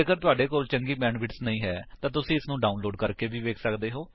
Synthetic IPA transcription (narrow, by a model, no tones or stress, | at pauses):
kəɾt̪ʊaːɖeːkoːlt͡ʃəŋɡiːbɛ̃ːɳɖʋɪʈsnəĩːɦɛːt̪ãːt̪ʊsĩːɪsnũːɖaːʊnloːɖkəɾkeːʋiːʋeːkʰsəkd̪eːɦoː